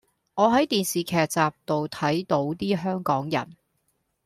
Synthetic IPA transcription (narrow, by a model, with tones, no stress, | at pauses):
ŋɔː˨˧ɦɐ˨˥jt̪iː˨nsiː˨kʰɛː˨k̚t͡saː˨p̚t̪o˨wt̪ʰɐ˨˥jt̪o˨˥wt̪iː˥ɦœː˥ŋkɔː˨˥ŋjɐ̰˨˩n